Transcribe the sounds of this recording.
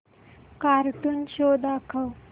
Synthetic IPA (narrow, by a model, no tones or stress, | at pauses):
kaɾʈ̪uːnɕod̪akʰəw